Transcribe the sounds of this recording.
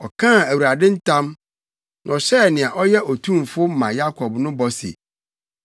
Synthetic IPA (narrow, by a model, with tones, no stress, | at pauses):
ɔ˨kʰã˦˨æ˨wu˨ɾa˨dɪ̃˦n̩˦tʰã˦m | na˨ɔ˨ɕɛ˦˨nɪ̃˨a˨ʔɔ˦jɛ˦ʔɔ˨tʰũ˦mfʊ˦mã˨ja˦kʰɔ˨bnʊ̃˦bɔ˦sɪ̰˨